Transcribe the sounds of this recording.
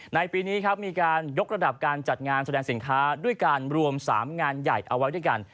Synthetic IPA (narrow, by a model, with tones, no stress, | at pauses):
na˧jpiː˧niː˦˥kʰa˦˥p̚miː˧kaː˧njo˦˥k̚ɾa˧da˨˩p̚kaː˧nt͡ɕa˨˩t̪̚ŋaː˧nsa˧dɛː˧ŋsi˩˦nkʰaː˦˥du˥˩əjkaː˧nɾu˧əmsa̰ː˩˦mŋaː˧nja˨˩jʔa˧wa˦˥jdu˥˩jka̰˧n